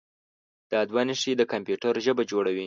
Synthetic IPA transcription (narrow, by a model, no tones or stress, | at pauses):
d̪̥ɑd̪wɑniʃid̪əkampjuʈaɾʒəbad͡ʒoɽawi